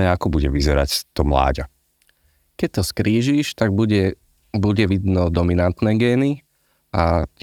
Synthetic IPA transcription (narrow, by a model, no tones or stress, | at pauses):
ɛakɔbuɟɛʋizɛɾa̰ct̪ɔmla̰ːɟa | kɛc̚t̪ɔskɾiːʒiːʃt̪aɡ̚buɟɛ | buɟɛʋid̪nɔd̪ɔminant̪nɛɡɛːni | a